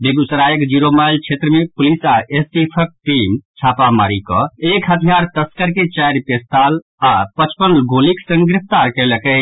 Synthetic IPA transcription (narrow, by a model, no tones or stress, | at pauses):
beɡusɾajəkd͡ʒiɾomajlt͡ʃʰet̪ɾəmepulisaesʈipʰək̚ʈimt͡ʃʰapama̰ɾikɔ̰̃ekɦət̪ʰijaɾt̪əskəɾket͡ʃajɾpest̪al | apət͡ʃpənlɡʱoliksə̃ŋɡɡɾep̚ʰt̪aɾkɛləkə